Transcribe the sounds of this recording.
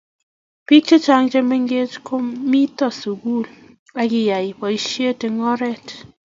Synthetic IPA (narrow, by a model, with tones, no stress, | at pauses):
pi˦k̚t͡ʃe˦t͡ʃa˦ŋt͡ʃe˦me˦ŋɡe˦t͡ʃko˦mi˦tɔ˨su˨ɡu˦l | a˦kɪ˨ja˨i˨pɔ˨i˦ʃje˦te˨ŋɔ˦ɾɛ˦˨t